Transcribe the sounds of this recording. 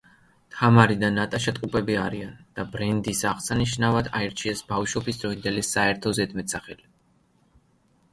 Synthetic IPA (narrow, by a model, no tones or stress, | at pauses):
t̪ʰamaɾid̪anat̪ʼaʃat̪ʼqʼupʼɛbiaɾiand̪̥abɾɛnd̪isaʁsaniʃnavad̪aiɾt͡ʃʰiɛsbavʃɔbisd̪ɾɔind̪ɛlisaɛɾt̪ʰɔzɛd̪mɛt̪saχɛli